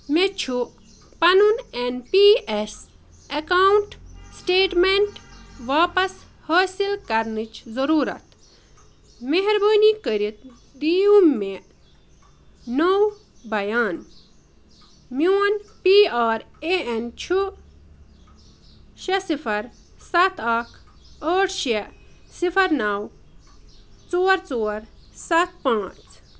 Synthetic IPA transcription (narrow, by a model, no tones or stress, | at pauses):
met͡ʃʰu | pɐnunenpiːes | ɐkaːwɳʈsʈeːʈmeɳʈʋaːpɐs | hɐːsilkɐɾnɨt͡ʃʰzɐɾuːɾɐ̰t̪ | meɦɾbəːnikəɾit̪̚ | d̪iũme | now | bɐjaːn | mownpiaːɾeent͡ʃʰu | ʃesipʰɐɾ | sat̪ʰakʰ | əːʈʃesipʰɐɾnaw | t͡soːɾt͡soːɾsat̪̚pãːt͡sʰ